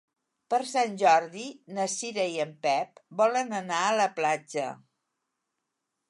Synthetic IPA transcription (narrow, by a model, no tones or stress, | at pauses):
pəɾsanʲʒɔɾðinəsiɾəiəmpɛpbɔlənənaələplad͡ʒə̰